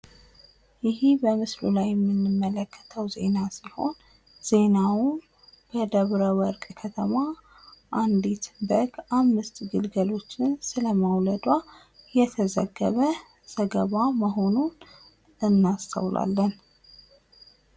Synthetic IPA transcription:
jɪhibəmɨslṵlajːɛmːinːɨmːələkʰːə̥t̪ʰəwze̞̰nasiho̞̰n | z̥e̞nawʊn | b̥əd̪əβɾəwəɾkʼkʰət̪ʰəma | ʔand̪it̪bəɡamːɨst̪ɡɨlɡəlo̞t͡ʃːɪnsɨləmawləd̪wa | jɛt̪ʰəzə̰ɡːə̰βə | z̥əɡəβaməɦo̞nun | ɨnːast̪ʰə̰wlʔa̰lːən

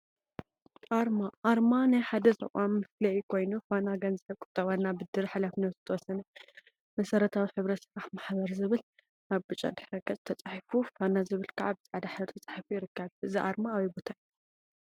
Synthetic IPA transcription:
ʔaɾmaʔaɾmanajħad̪ɐzʼɨ̰ʔʼamːɨflɐjikʰo̞jnufanaɡɐnzɨħɨkʼʊ̥t̪ʼːɐβanːabɨd̪ɨɾħalafnɐzɨt̪ʰɐwɔsɐnɐ | mɐsɐɾɐt̪ʰawiħɨβɾɐt̪sɨfɾaħmaħbɐɾzɨβɨl | aβbɨt͡ʃʼa̰d̪ɨħɾɐɡʼɐt͡sʼt̪ʰɐt͡sʼaħfufanazɨβɨlkʰaʕabɨt͡sʼʕad̪aħɾt̪ʰɐt͡sʼḁħfujɪɾɨkʰːɐβʔɨziʔa̰ɾmaːwibot̪ʰaj

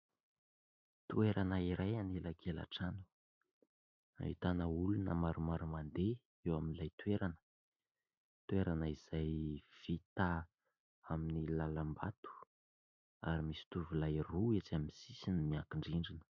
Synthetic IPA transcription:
t̪ueɾanaiɾʔajanelaɡela̰ʈ͡ʂanu̥ | a̰ḭt̪anəulunə̰maɾumaɾumand̪e | ewaminilajt̪ueɾanə̥ | t̪ueɾanəiz̥ajv̥it̪a | aminilalambat̪u̥ | aɾimisi̥t̪uvulajruet͡saminisisinimiakiɳɖ͡ʐiɳɖ͡ʐinə̥

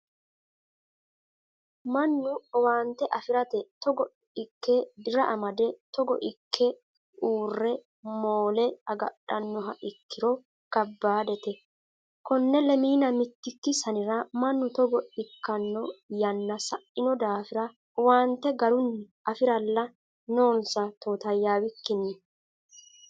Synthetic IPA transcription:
mɐnːʊɔwaːnt̪ːɛʔɐfɪɾɐt̪ɛt̪ɔɡɔ | ɪkːɛd̪ɪɾɐʔɐmɐd̪ɛt̪ɔɡɔ̰ʔɪkʰːɛ | uːrːɛ | moːlɛɐɡɐ̰ɗːɐnːɔɦɐʔɪkːɪɾɔ | ɡ̥ɐbːaːd̪ɛt̪ɛ | kɔnːɛlɛmiːnɐmɪt̪ːɪkːɪsɐnɪɾɐmɐnːʊt̪ɔɡɔɪkːɐnːɔjɐnːɐsɐʔːɪnɔd̪aːfɪɾɐ | waːnt̪ːɛɡɐɾʊn | ʔɐfɪɾɐlːɐ | no̞ːnsɐt̪oːt̪ɐjːaːwɪkːɪni

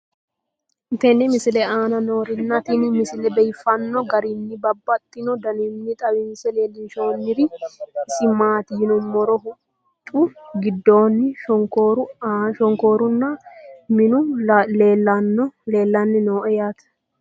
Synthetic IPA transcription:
ɪnt̪ɛnːɪmɪsɪlɛaːnɐnoːɾɪnːɐt̪inɪmɪsɪlɛbɛjfɐnːɔɡɐɾɪnːɪbɐbːɐt̪ʼːɪnɔd̪ɐnɪnːɪt̪ʼɐwɪmɪsɛleːlːɪnʃoːnːɪɾɪɪsɪmaːt̪ɪjɪnʊmɔɾɔhʊ | t͡ʃʼʊɡɪd̪ːoːnːɪʃɔŋkoːɾʊʃɔŋko̞ːɾʊnːɐmɪnʊleːlːɐnːɔle̞ːlːɐnːɪnoːʔɛjat̪

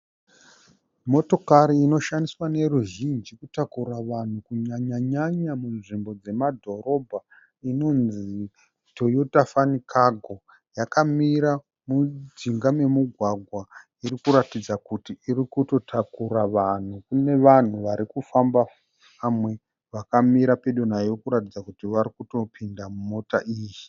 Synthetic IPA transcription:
mo̞to̞kaɾiːno̞ʃandiswane̞ɾuʒind͡ʒikutakuɾaʋan̤ukuɲaɲaɲaɲamunʐimbo̞d͡ze̞madʱo̞ɾo̞bʱa | ino̞nzi | to̞jutafanikʰaɡʱo̞ | jakamiɾa | mud͡ziŋɡame̞muɡʱwaɡʱwa | iɾikuɾatid͡zakutiːrikuto̞tʰakuraʋan̤ukune̞ʋan̤uʋaɾikufamba | amwe̞ | ʋakamiɾape̞ɗo̞najokuɾatid͡zakutiʋaɾikuto̞pʰindamumo̞taʔiːji

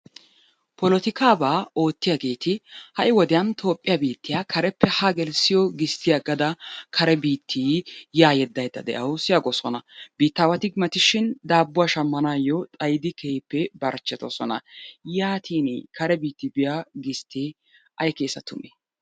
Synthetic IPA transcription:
pɔlɔt̪ɪkaːbaːo̞ːt̪ːɪjaɡe̞ːt̪ɪhɐʔɪwɔd̪ɪjɐnt̪ʰo̞ːpʼːɪjabiːt̪ːɪjaːkʰɐɾɛpːɛhaɡɛlsɪjɔɡɪst̪ːɪjaɡɐd̪ɐkʰɐɾɛbiːt̪ʰːijaːjɛd̪ːɐjd̪ːɐ̰d̪ɛ̰ʔɐwsɪjaɡɔsɔnɐbiːt̪ːaːwɐt̪ɪɡmɐt̪ɪʃɪnd̪aːbːʊwaːʃɐmːɐnaːjɔt͡sʼɐjd̪ɪkʰɛhɪpːɛbɐɾt͡ʃːɛt̪ɔ̰sɔnɐ̰jaːt̪ʰiːnḭkɐɾɛbiːt̪ːɪbɪjaɡɪst̪ːi | ʔɐjkeːsɐt̪ʊmɛ̥

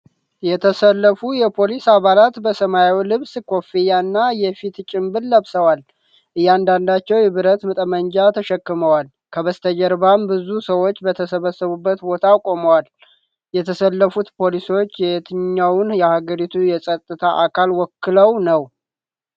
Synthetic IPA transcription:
jɛt̪ʰəsəlːəfujɛpʰo̞lisaβalat̪bəsəmajawlɨβskʰo̞fijanːajɛfit̪t͡ʃʼɪmbɨlːəβsəwal | ʔɨjːand̪and̪at͡ʃːɛwjɪβɨɾət̪mɨt̪ʼəmənd͡ʒat̪ʰəʃɛkːɨməwal | kʰəβəst̪ʰəd͡ʒɛɾbambɨzusəwo̞t͡ʃːbət̪ʰəsəβəsːəβubːət̪bo̞t̪ʰakʼo̞məwal | jɛt̪ʰəsəlːəfut̪pʰo̞liso̞t͡ʃːjɛt̪ʰɨɲːawʊnjɛhaɡəɾit̪ʰujɛsʼət̪ʼːɨt̪ʰaʔakʰalwɔkːɨləwnəw

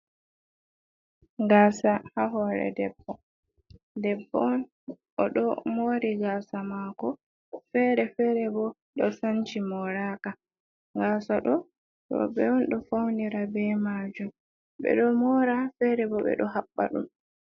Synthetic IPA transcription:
ɡaːsahaɦɔɾɛ̰dɛbːɔ | dɛbːɔn | ʔɔɗɔmoɾiɡasamakɔ | fɛɾɛfɛɾɛbɔ | ɗɔsant͡ʃimɔɾaka | ɡaːsaɗɔ | ɗɔ̰bɛɔnɗɔfawniɾabɛmad͡ʒum | ɓɛ̰ɗɔmɔɾafɛɾɛbɔɓɛ̰ɗɔɦabːa̰ɗṵm

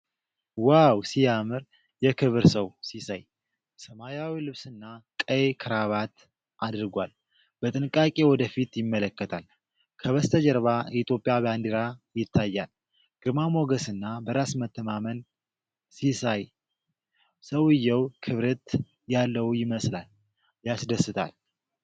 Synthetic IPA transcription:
wawsijamɨɾ | jɛkʰɨβɾsəwsisaj | səmajawilɨβsɨnːakʼəjkʰɨɾaβat̪ | ʔad̪ɾɡʷal | b̥ət̪ʼɨnɨkʼːakʼewɔd̪əfit̪jɪmːələkːət̪ʰal | kʰəβəst̪ʰəd͡ʒəɾβait̪ʰjo̞pʼijaband̪iɾajɪt̪ʰːajːal | ɡ̥ɨɾmamo̞ɡəsɨnːabəɾasmət̪ʰːəmamən | sisaj | səwɨjːɛwkʰɨβɾət̪ | jalːəwujɪməslal | jasd̪əsːɨt̪ʰa̰l

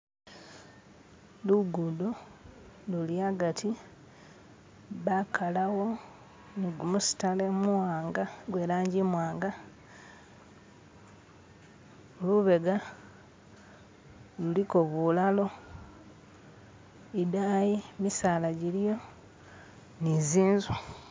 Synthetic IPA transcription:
luɡudo | luliaɡatʰi | βakʰalawo̞ | ɡumusi̥tale̞muwaːŋɡaɡwe̞ːlaːɲɟimwaːŋɡa | oluβe̞ɡa | luliko̞βulalo̞ | idaːjimisaːlaɟilijo̞ | niziːnzwa

